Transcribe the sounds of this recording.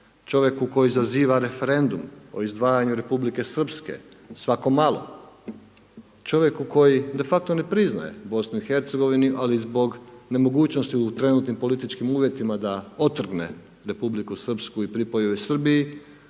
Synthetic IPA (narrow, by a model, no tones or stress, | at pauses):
t͡ʃo̞ʋje̞kuko̞jizaziːʋaɾe̞fe̞ɾe̞nd̪umo̰izd̪ʋaːjaɲuɾe̞publike̞sr̩pske̞̰sʋako̞malo̞̰ | t͡ʃo̞ʋje̞kuko̞jid̪e̞fak̚t̪o̞ne̞pɾizna̰je̞̰bo̞snuixe̞ɾt̪seɡo̞ʋiniʔalizbo̞ɡne̞mo̞ɡuːt͡ɕno̞st̪iut̪ɾe̞nuːt̪nimpo̞lit̪it͡ʃkimuːʋje̞t̪imad̪ao̞t̪r̩ɡne̞̰ | ɾe̞publikusr̩pskuipɾipojoʋesr̩biji